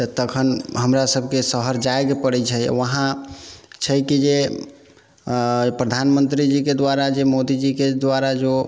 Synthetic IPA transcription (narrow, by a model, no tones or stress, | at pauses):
t̪ət̪əkʰənɦəmɾasəb̚ʱkesəɦəɾd͡ʒajɡpəɽɛt͡ʃʰəj̰ʋəɦã | t͡ʃʰəjkid͡ʒe | pɾəd̪ʱanmənt̪ɾid͡ʒiked̪waɾad͡ʒemod̪id͡ʒiked̪waɾad͡ʒo